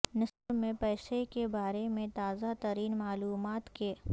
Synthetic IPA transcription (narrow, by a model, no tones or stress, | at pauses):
nɪsbmẽpɛːsekebaːɾemẽt̪aːzat̪əɾiːnmaːluːmaːt̪ke